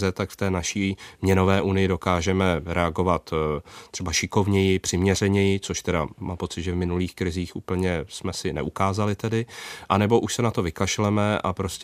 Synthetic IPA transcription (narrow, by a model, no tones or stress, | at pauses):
zɛt̪akft̪ɛːnaʃiːmɲɛno̞vɛːʔunɪjɪdo̞kaːʒɛmɛɾɛaɡo̞vat̪ːr̥ɛbaʃɪko̞vɲɛjɪpr̥ɪmɲɛr̝ɛɲɛjɪt͡so̞ʃt̪ɛdamaːpo̞t͡sɪt̪ʒɛvmɪnuliːxkɾɪziːxʔuːpl̩ɲɛsmɛsɪnɛ̰ʔukaːzalɪt̪ɛdɪʔanɛbo̞ʔuʃsɛnat̪o̞vɪkaʃlɛmɛʔa̰pɾo̞sc